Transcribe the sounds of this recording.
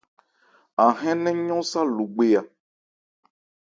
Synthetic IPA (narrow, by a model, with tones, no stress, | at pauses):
a˨ɦɛ̃˦nɛ̃˦ɲɔ̃˦sa˦lu˨ɡ͡be˦a˨